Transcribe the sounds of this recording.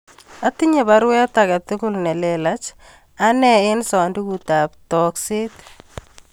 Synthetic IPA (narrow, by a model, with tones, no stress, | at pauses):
a˦t̪ɪ˦ɲe˨βa˦ɾwɛ˦t̪akat̪ʊkʊlnɛ˨lɛlat͡ʃ | a˦nɛɪ˦nsɔ˨ndi˦kuta˨ptɔkse˦t̪